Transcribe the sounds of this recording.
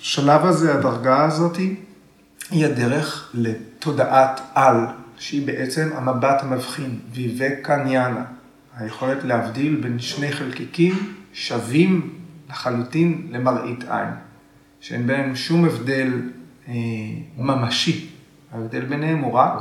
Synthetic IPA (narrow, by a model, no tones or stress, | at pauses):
ʃalavazeadaʁɡaazo̞ti | hiade̞ʁe̞χle̞to̞daʔatalʃeibe̞ʔe̞t͡se̞mamabathamavχinvivekanjana | hajeχo̞le̞tlehavdilbe̞nʃne̞jχelkikimʃavimleχalutinle̞maʁʔitʰa̰jn | ʃeʔenbenemuʃumevde̞l | mamaʃi | aevde̞lbenhemuʁak